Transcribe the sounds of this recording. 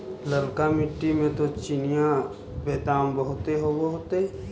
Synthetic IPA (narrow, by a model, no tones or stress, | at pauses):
ləɾkamɪʈːimẽt̪ot͡ʃɪnija | beːt̪aːmbəɦʊt̪eɦobɐɦʊt̪e